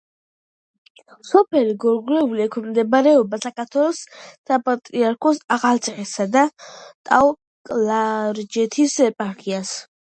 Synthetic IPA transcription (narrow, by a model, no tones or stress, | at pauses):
sɔpʰɛliɡɔɾɡlɛuliɛkʰwɛmd̪ɛbaɾɛɔbasakʰaɾt̪ʰwɛlˠɔssapʼat̪ʼɾiaɾkʰɔsaʁalt̪sʼɛsad̪at̪ʼaw | kʼlaɾd͡ʒɛt̪ʰisɛpʼaɾkʰias